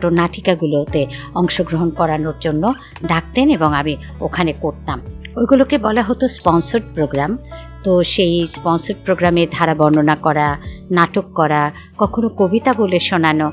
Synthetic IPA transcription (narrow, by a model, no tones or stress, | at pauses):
ʈonaʈʰi̥kaɡulot̪e | ɔŋʃoɡɾoɦonkɔɾanoɾd͡ʑonːo | ɖak̚t̪eneboŋami | okʰanekoɾt̪amojɡulokebɔlaɦot̪ospɔnsoɾɖpɾoɡɾam | t̪oʃejspɔnsoɾ̚pɾoɡɾameɾd̪ʱaɾabɔnɖonakɔɾanaʈokːɔɾa | kɔkʰonokobit̪aɡuleʃonano